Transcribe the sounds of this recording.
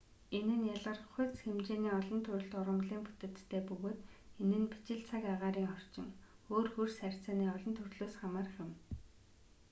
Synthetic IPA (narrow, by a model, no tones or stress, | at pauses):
enɘ̆njaɮʁə̆rχʊjt͡sxemt͡ɕeːniːɔɮɞ̆nt̪ʰɵɾɵ̆ɮt̪ʊɾə̆mɮiːmpu̥t̪ɘ̆t̪ːʰeːpɵɣoːt̪enɘ̆npi̥t͡ɕɪ̆ɬt͡sʰakaʁaːɾiːŋχɔr̥t͡ɕɪ̆ŋoːrxursær̥ʲt͡saːniːɔɮɞ̆nt̪ʰɵrɮoːsχamaːrχʲɪ̆m